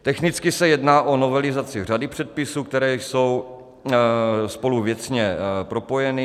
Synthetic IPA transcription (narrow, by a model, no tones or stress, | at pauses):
t̪ɛxnɪt͡skɪsɛjɛdnaːʔo̞no̞vɛlɪzat͡sɪr̝adɪpr̝̥ɛt̪̚pɪsuːk̚t̪ɛɾɛːso̞w | spo̞luvjɛt͡sɲɛpɾo̞pojɛnɪ